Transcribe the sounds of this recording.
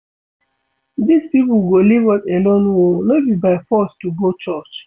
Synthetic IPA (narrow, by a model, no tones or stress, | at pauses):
dispip̩ɡolivɔtɛ̃nɔnwolot̚bibaɪfɔstuɡot͡ʃɔt͡ʃ